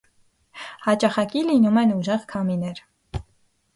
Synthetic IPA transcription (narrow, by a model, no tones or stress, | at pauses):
hɑt͡ʃɑχɑkilinumɛnuʒɛʁkʰɑminɛɾ